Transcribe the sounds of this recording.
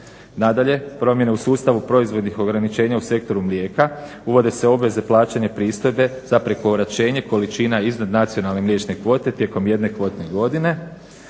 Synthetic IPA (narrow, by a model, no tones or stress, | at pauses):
nad̪aʎe̞pɾo̞mje̞ne̞usuːst̪aʋupɾo̞izʋo̞d̪nixo̞ɡɾanit͡ʃe̞ːɲause̞k̚t̪o̞ɾumlje̞ːka | uʋo̞d̪e̞se̞o̞bʋe̞ze̞plˠaːt͡ʃeɲepɾiːst̪o̞jbe̞z̥apɾekoɾat͡ʃe̞ːɲe̞ko̞lit͡ʃinaiznad̪nat̪sio̞nalˠne̞mljet͡ʃne̞kʋo̞ːt̪e̞t̪je̞ko̞mje̞d̪ne̞kʋo̞ːt̪ne̞ɡo̞d̪ine̞